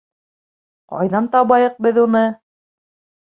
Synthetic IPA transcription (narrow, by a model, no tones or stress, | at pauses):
qɑ̰jðɑnt̪ɑβɑjɤ̆q̚bɘðunɤ